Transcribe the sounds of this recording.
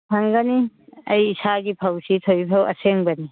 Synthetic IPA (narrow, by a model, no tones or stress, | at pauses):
pʰaŋɡaniɐjːsaɡipʰawsitʰojpʰawɐ̰seŋbani